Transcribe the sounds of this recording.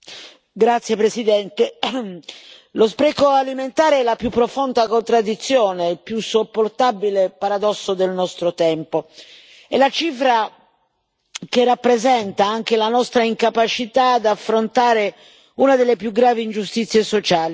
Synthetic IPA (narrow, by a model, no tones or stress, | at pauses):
ɡɾat̪sːjepɾesid̪ɛnt̪e | lospɾɛkoaliment̪aːɾeɛlapjupːɾofond̪akont̪ɾad̪ːit̪sːjoːnepjusopːort̪abilepaɾad̪ɔsːod̪elnɔst̪ɾot̪ɛmpo | ɛlat͡ʃifɾa | kerːapːɾezɛnt̪aaŋk̟elanɔst̪ɾaiŋkapat͡ʃit̪ad̪afːɾont̪aːɾe | unad̪elːepjuɡɾaːviːnd͡ʒust̪it̪sːjesot͡ʃaːli